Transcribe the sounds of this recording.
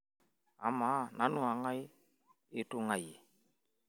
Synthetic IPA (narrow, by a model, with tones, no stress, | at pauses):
a̰˨ma˨˦˨na˨˦nʊ˦a˨ŋa˦jɪ˦ | e˨to˦ŋa˨je˨